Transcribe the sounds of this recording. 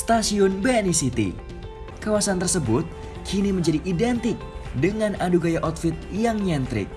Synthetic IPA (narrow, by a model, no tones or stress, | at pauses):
st̪asiʊnbɛnisit̪ḭ | kawasant̪ərsəbʊt̪̚ | kʰiniməɲd͡ʒadiʔidɛnt̪ɪk̚dəŋanaduɡajaʔɔt̪fɪt̪̚jaŋɲɛnt̪ɾɪ̰k̚